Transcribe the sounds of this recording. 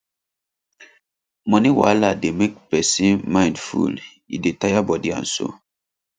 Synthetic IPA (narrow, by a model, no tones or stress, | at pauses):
mɔniwa̰lademek̚pɛsĩnmãɪ̃ndfṵl | ḭdetajabɔdiã̰nso̰